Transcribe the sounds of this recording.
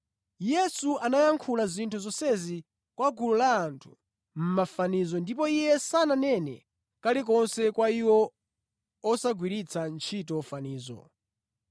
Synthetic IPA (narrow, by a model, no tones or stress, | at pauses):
jɛsuanajaŋkʰulazintʰuzɔsɛzi | kwaɡululaːntʰu̥ | m̩mafanizɔndipɔijɛsananɛnɛ̰ | kalik̬ɔnsɛkwaiwɔ | ɔsaɡwiɾit͡sʰant͡ʃʰitɔfaniːzɔ̰